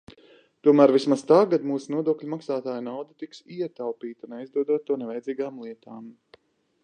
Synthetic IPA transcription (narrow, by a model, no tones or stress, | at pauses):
t̪uɔmæːɾvismazt̪aːɡad̪muːsunuɔd̪uɔklʲumaksaːt̪aːjnawd̪ɐt̪iksiɛt̪awpiːt̪unajzd̪uɔd̪uɔt̪̚ːuɔnɛvɛjdziːɡaːmlˠiɛt̪aːm